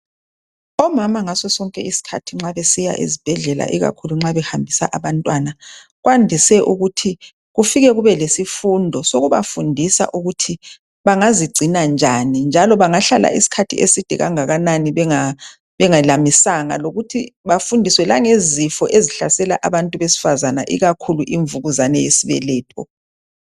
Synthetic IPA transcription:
ɔmamaŋasɔsɔŋkʼɛisi̥kʰatʰiŋ͡ǁaβɛsija̰ʔḛzib̥ʱɛɮɛla̰ʔiɣa̰kʰuluŋ͡ǁaβɛhambʱisa̰ʔaβantʼwana | ɣwandʱisɛʔuɣutʰi | ɣufiɣɛɣuβɛlesifundʱɔsoɣuβa̰fundʱisa̰ʔuɣutʰi | βaŋaziɡ͡ǀʱinand͡ʒʱanind͡ʒʱalɔβaŋaɬala̰ʔisi̥kʰatʰḭʔḛsid̥ʱɛɣa̰ŋaɣananiβɛŋa | βɛŋalamisaŋa̰loɣutʰiβafundʱiswɛlaŋezifɔʔeziɬasɛlaʔaβantʼuβesi̥fazanaʔḭɣakʰuluʔiɱvuɣuzanɛjesiβɛ̰lɛːtʰɔ̰

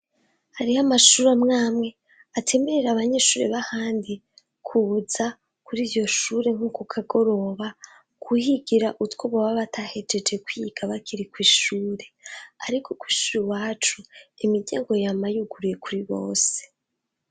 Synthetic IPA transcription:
haɾiamaʃuːɾamŋaːmŋe̞ | atʰe̞me̞ɾe̞ɾaβaɲe̞ʃuːɾeβahaːndi | kʰuβuza | kuɾiːvjo̞ʃuːɾe̞ŋ̥uːkokʰaɡo̞ɾo̞βa | kʰuhiɡiɾaʔutkoβoβaβatʰahe̞d͡ʒe̞d͡ʒe̞kwiɡ̥aβakiɾikwiːʃuːɾe̞aɾikʰo̞kwi̥ːʃuɾiwaːt͡ʃuimiɟa̰ːŋɡo̞jamajuɡuɾuje̞kuɾiβo̞̰ːse̥

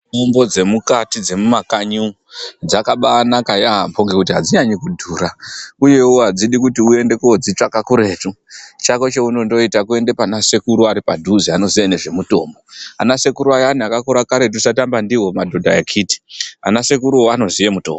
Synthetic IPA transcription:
ombo̞d͡ze̞mukatid͡ze̞mumakaɲu | d͡zakaɓaːnakajaɦampʰoŋɡe̞kutiɦad͡ziɲaɲikudʱuːɾauje̞woɦad͡ziɗikutiue̞nde̞kod͡zit͡ʂakakuɾe̞tut͡ʃakot͡ʃeuno̞ndo̞itakue̞nde̞panase̞kuɾuaɾipadʱuziano̞ziane̞ʐe̞muto̞̰ːmbo̞anase̞kuɾuajaniakakuɾakaɾe̞t̬usatambandiwo̞madʱo̞dʱaekʰiti̥a̰nase̞kuɾuoano̞zije̞muto̰ːmb

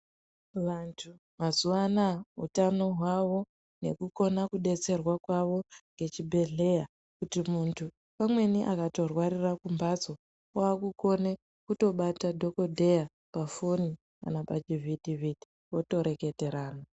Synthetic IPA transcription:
ʋantʰu | mazuʋanaɦṵtano̞ɦwaʋo̞ | ne̞kuko̞nakuɗe̞t͡se̞rwakwaʋo̞ŋɡe̞t͡ʃibʱe̞ɮe̞ja | kutimuntʰu | pamwe̞niʔakato̞rwaɾirakumbad͡zo̞ | waːkuko̞ne | kuto̞ɓatadʱo̞ko̞dʱe̞ja | pafoni | ka̰napad͡ʒividʱivid̥ʱi | wo̞to̞ɾe̞ke̞te̞ɾaːna

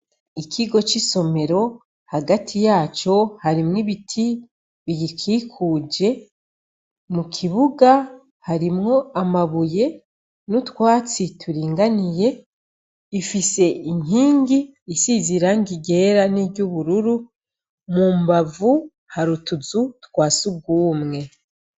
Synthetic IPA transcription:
ikʰiɡo̞t͡ʃiso̞me̞ɾo̞ | haɡatʰijaːt͡ʃo̞haɾimŋiβitʰi | βiɡikʰiːkʰuːd͡ʒe̞ | mukʰiβuɡa | haɾimŋo̞amaβuje̞ | nutwaːt͡sitʰuɾiːŋɡanije̞ | ifise̞ʔiɲ̥iːŋɡiːsiziɾaŋɡiɡe̞ɾaniβɟuβuɾuɾu | mumbavu | haɾutuzutkwaːsuɡuːmŋe̞

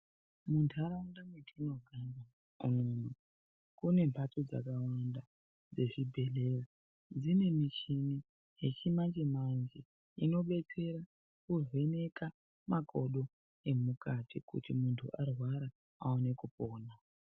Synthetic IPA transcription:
muntʰaɾaundametʰino̞ɡʱand͡za | umunu | kune̞mpʰatod͡za̰kawanda | d͡ze̞ʐibʱe̞lera | d͡zine̞mit͡ʃini | ɦet͡ʃimand͡ʒemand͡ʒe | ino̞ɓe̞t͡se̞ɾa | kuzwe̞ne̞ka | mako̞ɗo̞ | e̞mukatʰikṵtimuntʰṵʔarwaɾa | aone̞kupoːna

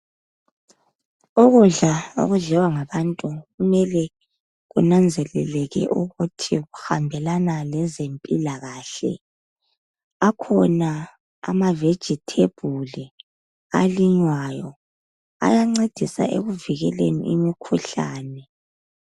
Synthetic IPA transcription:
oɣuɮao̰ɣuɮɛwaŋaβantʼuɣumɛlɛ | ɣunand͡zʱɛlɛlɛɣɛ̰ʔuɣutʰiɣuxambʱɛlanalɛzempʼilaɣaːɬɛ̰ | akʰɔna̰ː | maved̥ʒ̥ʱitʰeb̥ʱuli | aliɲwajɔ | a̰jaŋ͡ǀed̥ʱisa̰ʔḛɣuviɣɛlḛnḭʔimikʰuɬa̰ːnɛ

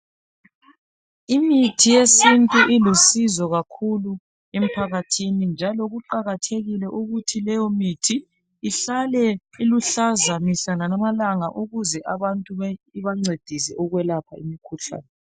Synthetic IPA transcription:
imitʰijesintʼuʔilusizɔɣakʰulu | em̩pʰaɣatʰinind͡ʒʱalɔɣuǃaɣatʰeɣilɛʔuɣutʰilɛjɔmitʰiː | ɬalɛiluɬazamisananamalaŋaʔuɣuzɛʔaβantʼuβiβaŋ͡ǀed̥ʱisɛʔɔɣwɛlapʰa̰ḭmikʰuɬa̰ːnɛ

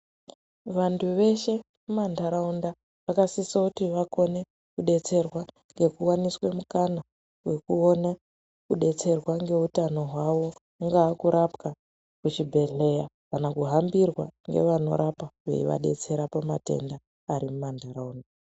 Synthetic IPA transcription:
ʋantʰuʋe̞ʃe̞ | mumandʱaɾaunda | ʋakasisakutiʋako̞ne̞ | kuɗe̞t͡se̞rwa | ŋɡe̞kuwaniswe̞mukana | we̞kuo̞na | kuɗe̞t͡se̞rwaŋɡe̞utano̞ɦwaʋo̞ | ŋɡaːkuɾapka | kut͡ʃibʱe̞ɮe̞ja | kanakuɦambirwaŋɡe̞̰ʋano̞̰ɾʔapaʋḛḭʋa̰ɗe̞̰t͡se̞ɾapamate̞̰ndaː | ɾimumandʱaɾaunda

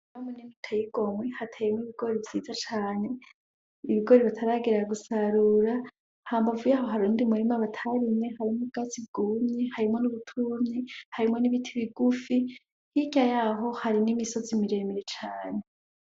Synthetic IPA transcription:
namonimitʰajiɡo̞mwehatʰejemwiβiɡo̞ɾevziːzat͡ʃaːne̞ | iβiɡo̞ɾeβatʰaɾaɡiɾaɡusaɾuɾa | haːmbavujaɦo̞ɦaɾuːndimuɾimaβatʰaɾimɲe̞haɾimoɡ̥azib̚ɡuumɲehaɾimo̞nuβutʰumɲihaɾimo̞niβitʰiβiɡufi | hiɟajaɦo̞haɾinimiso̞zimiɾe̞meɾet͡ʃaːne̞

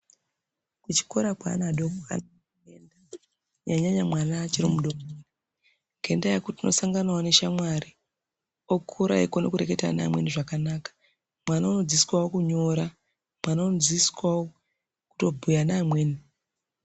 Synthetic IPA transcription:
kut͡ʃi̥koɾakwa̰naɗoka̰na | enda | ɲaɲaɲamwanat͡ʃiɾimuɗomini | ɡʱe̞ndajakutino̞saŋɡanawone̞ʃamwaɾi | okʰuɾa̰ikonokuɾeke̞ta̰na̰ːmweniʐakanaːkḁ | mwanauno̞ziswawokuɲo̞ɾa | mwananoziswawo | ku̥to̞bʱujanaːmwe̞ːni

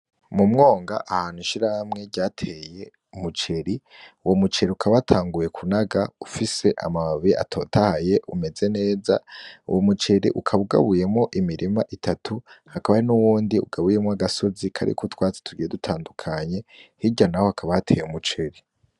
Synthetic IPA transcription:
mumŋo̞ːŋɡa̰ʔahaːn̥huinʃiɾahamŋe̞ɾɟaːtʰe̞je̞ | umut͡ʃe̞ɾiuwo̞mut͡ʃe̞ɾiukʰaβatʰaːŋɡuje̞kʰunaɡaufise̞ʔa̰maβia̰tʰo̞̰ːtʰahaje̞ʔume̞ze̞ne̞ːza̰ṵwʔomut͡ʃe̞ɾḭʔukʰaβuɡa̰βuje̞mŋo̞ʔimiɾʔimaʔitʰatʰuhakaβaɾinuwuːndiṵɡaβujemŋoaɡaso̞zikʰa̰ɾḭkotwaːt͡se̥tʰuɡijedutʰaːndukʰaɲe̞hiɟanahohakʰaβahatʰe̞̰ːjeumut͡ʃe̞ɾi

